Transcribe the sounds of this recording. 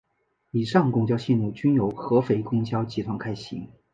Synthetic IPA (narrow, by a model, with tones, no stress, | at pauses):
i˨˩ʂɑ˥˩ŋkʊ˥ŋt͡ɕjɑ˥ʊɕɛ˥˧nu˥˩t͡ɕy˥njo˧˥ʊxɤ˧˥fe˧˥ɪkʊ˥˩ŋt͡ɕjɑ˥ʊt͡ɕi˧˥t̪ʰwa˧˥ŋkʰa˥ɪɕḭ˧˥ŋ